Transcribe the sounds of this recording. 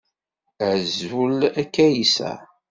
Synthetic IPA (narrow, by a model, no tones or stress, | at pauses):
əʕzulækːæjisæ̰